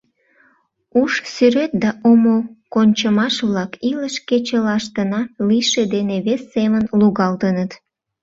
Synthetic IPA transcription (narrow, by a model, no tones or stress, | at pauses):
uʃsyɾet̪̚d̪ɑʔomokonʲt͡ɕəmɑʃβlɑkiləʃket͡ɕəlɑʃt̪ənɑliʃed̪eneβesːemənluɣɑlt̪ənət̪